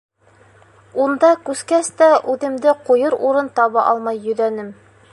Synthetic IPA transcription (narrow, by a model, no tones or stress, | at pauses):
und̪ɑkʉskæst̪æʔʉðɘ̆md̪ɘqujɤɾuɾɤnt̪ɑβɑʔɑlˠmɑjːɵ̆ðænɘm